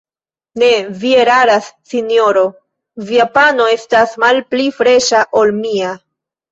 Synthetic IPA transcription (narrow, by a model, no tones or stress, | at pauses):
ne̞vie̞ɾaɾasːinjo̞ɾo̞ | viapano̞e̞stasmalplifɾe̞ʃaʔo̞lmia